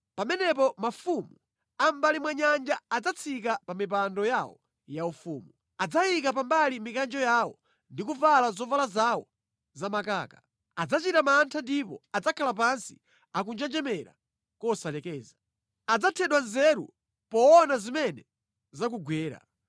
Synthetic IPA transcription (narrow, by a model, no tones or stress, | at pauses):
pamɛnɛpɔmafumu | ambalimwaɲand͡ʒaːd͡zat͡sʰikapamip̬andɔjawɔ̰ | jaufuːmu | ad͡zajikapambalimikand͡ʒɔjawɔ̰ | ndikuvalazɔvalazawɔ | zamakaːka | ad͡zat͡ʃitamantʰandipɔad͡zakʰalap̬ansi̥ | ak̬und͡ʒɛnd͡ʒɛmɛɾa̰ | kɔsalɛkɛːza | ad͡zatʰɛɗwanzɛɾṵ | pɔːnazimɛnɛ | zakuɡwɛːɾa̰